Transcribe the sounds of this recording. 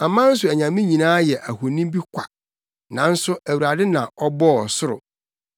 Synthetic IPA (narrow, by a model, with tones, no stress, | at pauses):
a˨mã˦n̩˦s̬ʊ˨æ˨ɲã˨mĩ˦ɲĩ˨nãː˦jɛ˨ʔæ˨hʊ˨nĩ˦bi˦kʷʰa˨ | nã˨n̩˦sʊ˦æ˨wu˨ɾa˨dɪ˦nã˨ɔ˦bɔ˦ɔ˨sʊ˦ɾʊ̰˨